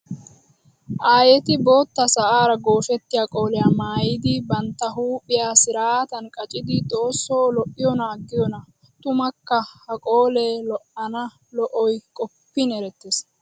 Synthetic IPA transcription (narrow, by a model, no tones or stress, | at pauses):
ʔaːjɛt̪ɪbo̞ːt̪ːɐsɐʔaːɾɐɡo̞ːfɛt̪ːɪjaːkʼo̞ːlɛjaːmaːjɪd̪ɪbɐnt̪ːɐɦuːpʼːɪjaːsɪɾaːt̪ɐnkʼɐt͡ʃʼɪd̪ɪt̪ʼo̞ːsːo̞ːlɔʔɪjɔnaɡːɪjɔnɐ | t̪ʊmɐkːɐhɐkʼoːleːlɔʔɐnɐ | lɔʔɔjkʼɔpːɪnɛɾɛt̪ːes